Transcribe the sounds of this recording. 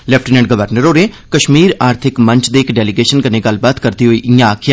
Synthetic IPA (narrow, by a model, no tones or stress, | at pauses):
lɛːpʰʈinɛ̃ɳɖɡəʋəɾnəɾoːɾe | kəʃmiːɾaːɾt̪ʰɪkmə̃ɲt͡ʃd̪eɪkɖɛːlɪɡeːʃənkəneɡəlbaːt̪kəɾd̪iːɦoiːʔɪjãaːkʰɪjaː